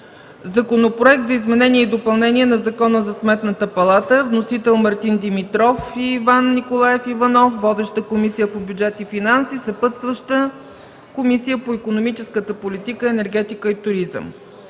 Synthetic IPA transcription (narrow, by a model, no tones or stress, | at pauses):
zɐkonopɾoɛk̚t̪zɐizmɛnɛniɛid̪opɐlˠnɛniɛnɐzɐkɔnəzɐsmɛt̪nət̪əpɐlˠat̪əvnosit̪ɛlˠmɐɾt̪ind̪imit̪ɾɔfiːvanːikolˠaɛfivɐnɔfvɔd̪ɛʃt̪əkomisijəpobjud͡ʒɛt̪ifinansisɐpət̪st̪vəʃt̪ə | komisijəpoikonomit͡ʃɛskət̪əpolit̪ikəɛnɛɾɡɛt̪ikəit̪ʊɾizə̰m